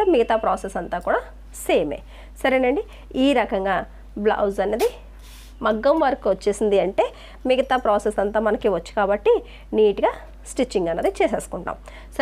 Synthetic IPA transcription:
miɡɐt̪aːpɾaːsesɐnt̪aːkuːɽaː | seːmeː | sɐɾeːnɐɳɖi | iːɾɐkɐŋɡaː | blɐ̰wzɐnːeːd̪i | mɐɡːɐmʋɐɾɐkːuʋɐt͡ʃːeːsind̪iɐɳʈe̞ː | miɡɐt̪aːpɾaːsesɐnt̪aːmɐnɐkiʋɐt͡ʃːu̥kaːbɐʈːi | niːʈiɡaː | sʈit͡ʃːiŋɡɐnːɐd̪it͡ʃeːseːsu̥kuɳʈa̰ːm | sɐ

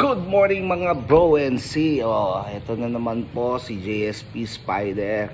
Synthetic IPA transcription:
ɡ̥ʊd̪̚moɹnɪŋmɐŋabɹowɛnsioʔɛt̪onɐnɐmanposid͡ʒejɛspispa̰jd̪ɛɹ

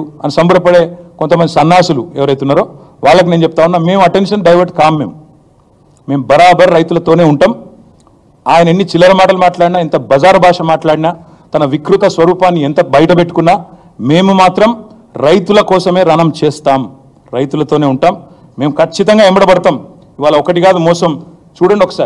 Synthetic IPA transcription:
ɐnisɐmbɐɽɐpɐɽe̞ːko̞nt̪ɐmɐnd̪isɐnːaːsuluɛːʋɐɾɐjt̪unːaːɾo̞ː | ʋaːɭːɐk̬ineːnt͡ʃep̚ut̪aːunːaːme̞ːmuɐʈe̞nʂɐnɖɐjʋɐɾʈ̚kaːmːe̞ːmu | me̞ːmbɐɾaːbɐɾɾɐjt̪ulɐt̪oːne̞ːuɳʈaːm | aːjɐnɐenːit͡ʃilːɐɾɐmaːʈɐlumaːʈlaːɽinaːint̪ɐbɐd͡ʒaːɾbʱaːʂɐmaːʈlaːɽina | t̪ɐnɐʋikɾut̪ɐsʋɐɾuːpaːnːiɛnt̪ɐbɐjɐʈɐpe̞ʈːu̥kunːaː | meːmumaːt̪ɾɐm | ɾɐjt̪ulɐkɔːsɐme̞ːɾɐnɐmt͡ʃɛːst̪aːm | ɾɐjt̪ulɐt̪o̞ːne̞ːuɳʈaːmː | e̞ːmukʰɐt͡ʃːit̪ɐŋɡaːembɐɽɐbɐɽɐt̪aːm | iʋaːlɐɔkɐʈiɡaːd̪umɔːsɐm | t͡ʃuːɽɐɳɖiɔkɐ̥saːɾi

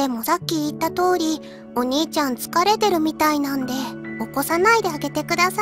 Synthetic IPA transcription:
e̞mo̞sakʲːiːt̪ːat̪o̞ːɾʲi | o̞ɲ̟iːt͡ɕãnt͡sɨ̥kaɾe̞t̪e̞ɾɯ̟mʲit̪ainãnd̪e̞o̞ko̞sanaid̪e̞aɡe̞t̪e̞kɯ̟d̪asa

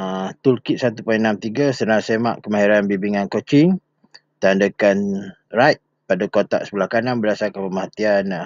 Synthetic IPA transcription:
at̪ulkɪʔ̪̚sat̪upainamt̪iɡasənasema̰ʔkəmaɦiɾanbibiŋankot͡ʃɪŋ | t̪andəkan | rajʔ̚ | padakot̪a̰ʔsə̥pulahkananbədasarkapəmaɦat̪ian

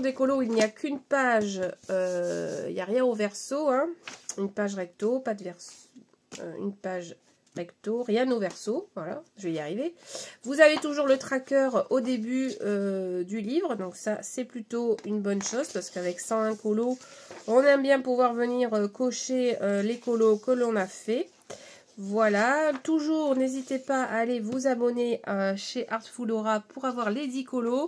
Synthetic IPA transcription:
d̪ekɔloilniakʲʰynpaʒøḭljaʁjɛ̃ovɛʁsoɛ̃ynpaʒʁɛk̚t̪opad̪əvɛʁs | ø̰y̰npaʒ | ʁɛkt̪oʁjɛ̃novɛʁsovwala̰ʒəvɛiaʁivevuzavet̪uʒuʁlət̪χakʲœʁod̪ebyød̪ylivʁəd̪ɔ̃ksasɛplyt̪oynbɔnʃozpaʁsə̥kavɛksɑ̃ɛ̃kɔlo | ɔ̃nɛmbjɛ̃puvwaʁvəniʁəkoʃeølekɔlokəlɔ̃nafɛ | vwalat̪uʒuːʁnezit̪epaa̰ːlevuzabɔneəʃeʔaʁt̪fulɔʁapuʁavwaʁled̪ikɔlo

